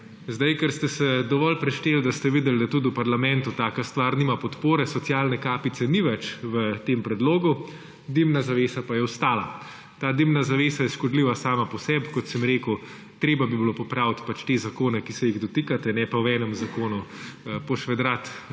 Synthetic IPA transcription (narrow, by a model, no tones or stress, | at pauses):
zd̪ajkɛɾst̪ɛsɛd̪ɔʋɔlpɾɛʃt̪eːld̪ast̪ɛʋid̪ɛld̪at̪ud̪upaɾlamɛ̃nt̪ut̪aːkast̪ʋaːɾniːmapɔt̪poːɾɛsɔsjaːlnɛkaːpit̪sɛniʋɛt͡ʃʋət̪empɾɛd̪loːɡu | d̪imnazaʋeːsapajɛwst̪aːla | t̪aːd̪imnazaʋeːsajɛʃkɔd̪liːʋasaːmapɔsɛbkɔt̪sɛmɾeːku | t̪ɾeːbabibilopɔpɾawt̪pat͡ʃt̪ezakoːnɛkisɛjiɣd̪ɔt̪ikat̪ɛnɛpawɛːnəmzakoːnupɔʃʋɛd̪ɾat̪